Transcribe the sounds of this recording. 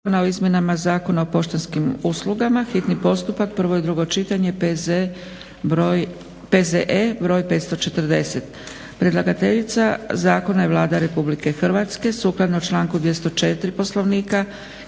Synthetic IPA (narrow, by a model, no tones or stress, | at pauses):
nao̞izmje̞namazaːko̞naopo̞ʃt̪enskimuslˠuɡamaxit̪nipo̞st̪upak̚pr̩ʋo̞jed̪ɾuɡo̞t͡ʃit̪aɲe̞ | pezeʔebɾo̞ːjpe̞ːt̪st̪o̞t͡ʃe̞t̪rd̪e̞set̪ | pɾe̞d̪lˠaɡat̪e̞ʎit̪sazaːko̞najeʋlˠaːd̪aɾe̞publike̞xr̩ʋat̪ske̞suklˠad̪naot͡ʃlˠaːŋkud̪ʋje̞st̪o̞t͡ʃe̞t̪ɾipo̞slo̞ʋniːka